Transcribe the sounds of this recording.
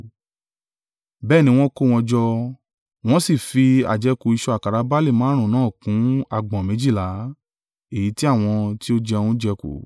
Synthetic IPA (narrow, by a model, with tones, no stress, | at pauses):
bɛː˦˨nĩ˨˦w̃ɔ̃˧˦ko˦˨w̃ɔ̃˧d͡ʒɔ˧ | w̃ɔ̃˦si˦˨fi˧a̰˨d͡ʒɛ˧˦ko˨i˧ʃɔ˧a˨ka˨ɾa˨˧˦ba˦li˦˨mãː˨˦ɾ̃ũ˨nãː˨˦˨kũ˨˦a˧˨ɡ͡bɔ̃˨mĩ˨˦d͡ʒi˦˨la˨˦ | e˨ji˨˦ti˦a˦˨w̃ɔ̃˧ti˦o˦d͡ʒɛ˧ũ˧˦d͡ʒɛ˧ko̰˨